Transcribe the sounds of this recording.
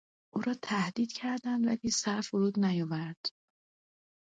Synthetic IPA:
ʔuːɾɒːt̪ʰæhd̪iːd̪̥cʰæɾd̪ænd̪væliːsæɾfoɾuːd̪næjɒːvæɾd̪̥

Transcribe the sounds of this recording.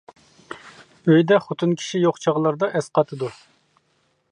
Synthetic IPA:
øjd̪ɛχʊt̪ʰɨnkʲʰi̥ʃijoχt͡ʃʰɑʁlˠɑɾd̪ɑʔɛsqɑt̪ʰɨd̪u

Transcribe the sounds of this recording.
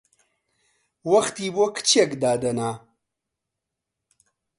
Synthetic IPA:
wɐxt̪iːbokʰt͡ɕʰekd̪aːd̪ɐnaː

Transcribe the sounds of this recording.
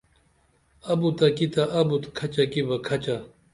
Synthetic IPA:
ɐbut̪ɐkit̪aʔɐbut̪kʰɐt͡ɕakibɐkʰɐt͡ɕa

